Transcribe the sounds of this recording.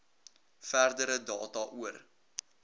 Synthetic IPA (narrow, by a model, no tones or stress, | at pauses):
færdəɾədɑːtɐʔuər